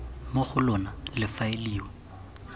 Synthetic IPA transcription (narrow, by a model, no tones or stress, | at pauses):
moχʊlɔnalɪfaeliːwɔ